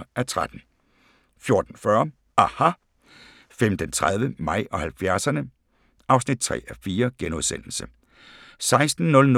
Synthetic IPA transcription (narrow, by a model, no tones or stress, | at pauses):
ʔæt͡sʰʁad̥n̩ | fjo̝ɐd̥n̩fɶɐ | ʔɑhɑ | femd̥ent͡sʰʁað̞ˠʋəmɑ̈ɪ̰ʔɒ̽hælfjæɐsɐnə | ʔɑ̈ʊsnid̥̚t͡sʰʁɛ̰ːæfiːɐɡ̥enuðˠsen̰l̩sə | sɑ̈ɪsd̥n̩ːɔ̽ln